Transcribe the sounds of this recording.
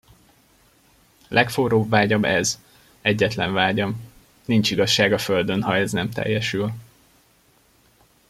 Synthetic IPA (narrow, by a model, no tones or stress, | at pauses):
lʔɛkfoːɾoːbvaːɟɒbɛz | ɛɟːɛt̪lɛɱvaːɟɒm | nint͡ʃiɡɒʃːaːɡɒføld̪ønhɒɛznɛmt̪ɛ̰jːɛʃyl